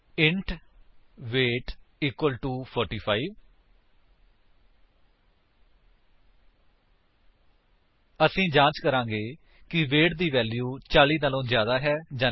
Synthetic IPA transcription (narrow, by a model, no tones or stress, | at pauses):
ɪɳʈ | ʋeːʈiːkwəlʈuːpʰɔːɾʈiːpʰaːiːʋ | əsĩːd͡ʒãːt͡ʃkəɾãːɡeː | kɪʋeːʈd̪iːʋɛːljuːt͡ʃaːliːnaːlõːzjaːd̪aːɦɛːd͡ʒãː